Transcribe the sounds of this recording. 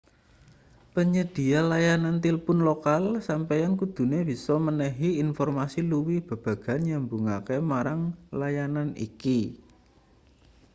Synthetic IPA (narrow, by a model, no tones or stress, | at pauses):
pəɲəd̪̥i̤alajanant̪ilpʊnlokalsampejankud̪̥ṳneb̥i̤sɔmənəɦiːnfɔrmasiluwihb̥ə̤b̥a̤ɡ̥a̤nɲambuŋakemaɾaŋlajananḭki